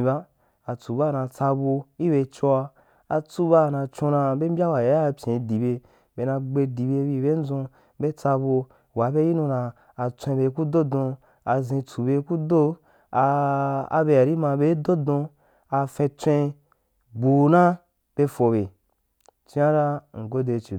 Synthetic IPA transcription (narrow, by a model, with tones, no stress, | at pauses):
i˨ba˦ | a˨t͡su˨ba˦˨nã˧t͡sa˧bo˧i˦be˧t͡ʃo˧a˧ | a˧t͡su˦ba˦˨nã˧t͡ʃõ˧nã˧be˦m̩˦bʲa˦wa˨ja˦a˧pʲjẽ˨˧di˨be˧ | be˨nã˧ɡ͡be˧di˨be˧bi˧be˦n̩˦zõ˧ | be˦t͡sa˧bo˧ | wa˨˦be˦ji˦nũ˧nãː˧ | t͡sʷẽ˧be˧ku˦do˦dõ˧ | a˧zĩ˧t͡su˨be˧˦ku˦do˦ | a˧a̰˨be˧a˨ɾi˦mã˧be˦do˦dõ˧ | a˧fẽ˧t͡sʷẽ˧ | bu˨nã˦ | b̥e˧fo˧be˨ | t͡ʃi˧˦a˦ɾa˦ŋ̩˨ɡo˦de˧t͡ʃi˨